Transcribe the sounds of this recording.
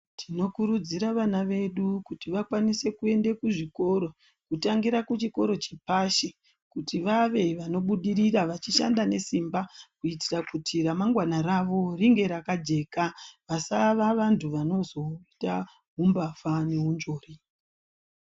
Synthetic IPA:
tʰino̞kuɾud͡ziɾaʋanaʋe̞ɗukutiʋakwanise̞kue̞ndekuʐiko̞ɾo̞ | kutaŋɡiɾakut͡ʃiko̞ɾo̞t͡ʃepaʃe | kutiʋaʋe̞ʋano̞ɓuɗiɾiraʋat͡ʃiʃa̰ndane̞simbakuitirakutʰiɾamaŋɡwanaɾaʋo̞riŋɡe̞ɾakad͡ʒe̞kaʋasaʋaʋantuʋano̞zo̞ita | ɦumbafane̞ɦund͡ʒo̞ːri

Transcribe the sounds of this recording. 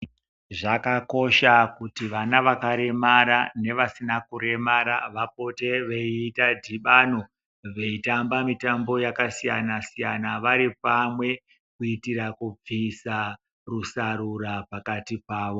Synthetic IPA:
ʐakako̞ʃakutiʋanaʋakaɾe̞maɾane̞ʋasinakuɾe̞maɾaʋap̚o̞te̞ʋeiːtadʱiɓano̞ | ʋe̞itambamitambo̞jakasijanasijanaʋaɾipamwe̞ | kuitiɾakub͡visa | rusaɾuɾapakatipaːʋo̞

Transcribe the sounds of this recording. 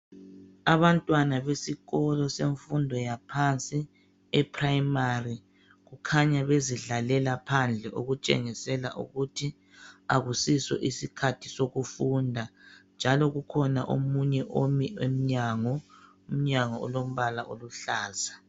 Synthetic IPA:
aβantʼwanaβesiɣɔlɔseɱfundʱɔjapʰant͡sʼi | ɛpʰrajimari | ɣukʰaɲaβeziɮalɛlapʰand͡ɮʱɛʔoɣut͡ʃʼḛŋisɛla̰ʔṵɣutʰi | aɣusisɔ̰ʔisikʰatʰisoɣufundʱand͡ʒʱalɔɣukʰɔnaʔomuɲɛʔomiwem̩ɲaŋɔ | um̩ɲaŋɔɔ̰lom̩βalaʔo̰luɬaːza

